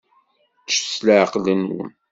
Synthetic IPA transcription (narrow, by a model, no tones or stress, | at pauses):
ʃsləʕqlənwə̰n